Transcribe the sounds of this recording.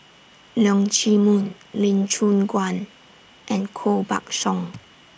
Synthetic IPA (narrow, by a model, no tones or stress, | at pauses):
lɔŋt͡ʃʰimun | lint͡ʃʰunɡwan | ʔɛ̃nkʰoba̰k̚sɔŋ